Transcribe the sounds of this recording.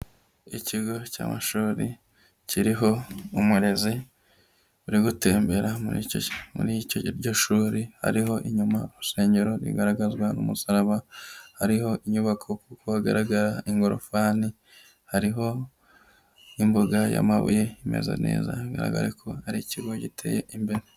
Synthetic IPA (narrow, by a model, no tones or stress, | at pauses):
iciɡo̞ca̰ːma̰ʃuːɾḭ | ciɾiɦo̞umuɾe̞zi | uɾiɡute̞ːmbe̞ɾamuimṵɾicoɾɟo̞ʃuːɾiha̰ɾiɦo̞ʔiɲumauɾuse̞ːɲɟe̞ɾo̞ɾḭɡaɾaɡazɡwanumusaɾaβahaɾiho̞ʔiɲuβakʰo̞kukohaɡa̰ɾaɡaɾaiŋɡoɾo̰faːni | haɾiɦo̞ | imboɡaja̰maβṵje̞imḛza̰ne̞̰ːza̰haɡa̰ɾa̰ɡa̰ɾekʰo̞haɾiciɡo̞ɟitʰeːjḛʔimbeɾe